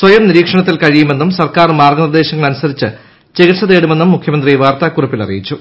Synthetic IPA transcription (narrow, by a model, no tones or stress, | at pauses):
sʋɐjɐmniɾiːkʂɐɳɐt̪̬ːilkɐɻijume̞nːumsɐrkaːrmaːrɡɐnird̪e̞ːɕɐŋːɐɭɐnusɐðit͡ɕːɨ | t͡ɕe̞ɣiʈʂɐðeːɽume̞nːumːukʰjɐmɐnd̪rijʋaːrt̪aːkːurɐpːilɐ̰rḭjit͡ɕːu